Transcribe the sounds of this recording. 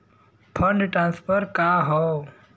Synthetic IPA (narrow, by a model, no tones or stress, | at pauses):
pʰə̃ɳɖʈɾãːnspʰəɾkaɦɔ